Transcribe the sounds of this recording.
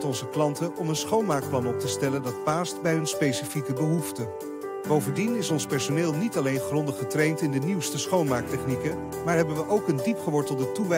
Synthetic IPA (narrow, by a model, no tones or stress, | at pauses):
tɔnzəklɑntəʔɔmənsχownmaːk̚plɑnɔp̚təstɛləndɑt̚paːstbɛjɦɵnspejsifikəbəɦuftə | b̥owvəndinɪsɔnspɛɹsonɪːlˠnitɑlejnχrɔndəχətrejntɪndəniwstəsχownmaːɹk̚tɛχnikə | maːɹɦɛbənʋəʔowkəndipχəʋɔɹtəlˠdətuʋɛ